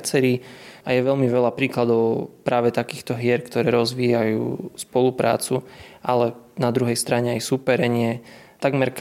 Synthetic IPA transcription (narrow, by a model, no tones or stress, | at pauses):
t͡sɛɾiːajɛʋɛʎmiʋɛlapɾiːklad̪ɔʊpɾaːʋɛt̪akiːxt̪ɔɦɪɛɾkt̪ɔɾɛːɾɔzʋiːjajṵːspɔlupɾa̰ːt͡suʔalɛnad̪ɾuɦɛjst̪ɾaɲɛajsupɛɾɛɲɪɛ | t̪aɡmɛɾk